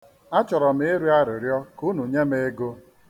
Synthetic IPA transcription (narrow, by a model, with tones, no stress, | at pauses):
a˦t͡ʃɔ˨ɾɔ˨m˦e˦ɾu˦a˦ɾɪ˨ɾjɔ˦ku˦nu˨ɲe˦me˦e˦ɡo˦